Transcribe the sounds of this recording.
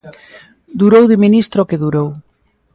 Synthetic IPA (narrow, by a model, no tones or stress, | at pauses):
d̪uɾowðɪminist̪ɾokeðuɾow